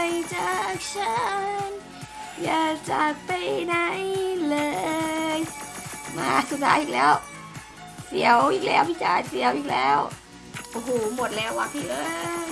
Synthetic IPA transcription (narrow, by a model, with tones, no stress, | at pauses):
jt͡ɕa˧˩˨k̚sʰə˧˩n | jaː˨˩t͡ɕa˨˩k̚pa˧˩jna˧˥jlɤː˧jma̰ː˧su˨˩t̪̚ʰaː˧˥ʔiː˨˩lɛː˦˥˩w | sḭ˨˩˦ə˦wiː˨˩k̚lɛː˦˥wʔiː˧˩k̚t͡ɕaː˧˩jsi˨˩˦ə˦wʔiː˨˩k̚lɛː˦˥˩w | ʔo˧˩hoː˧˩mo˨˩t̪̚lɛː˦˥wːaː˧˩p̪ʰiː˧˩ʔɤː˧˦